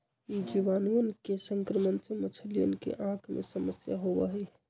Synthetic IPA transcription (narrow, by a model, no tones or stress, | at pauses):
d͡ʒiʋanuənkesəŋkɾəməntəmət͡ʃʰəlijə̰nkḛʔãkʰmḛsəməsjaɦobə̰ɦɛ